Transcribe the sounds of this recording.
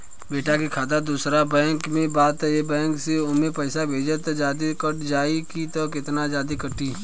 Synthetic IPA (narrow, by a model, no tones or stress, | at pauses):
beːʈakikʰaːd̪ad̪uːsɾabɛ̃ːŋkmẽbaːt̪ɦɛebɛ̃ːŋkseʊmẽpɛɪsabʱeːd͡ʒət̪d͡ʒaːd̪ikəʈd͡ʒaːikit̪ɔkɪt̪nad͡ʒaːd̪ikəʈiː